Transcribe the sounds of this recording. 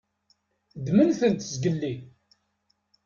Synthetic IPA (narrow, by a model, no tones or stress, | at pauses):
d̪mənθənt̪zɡəlːi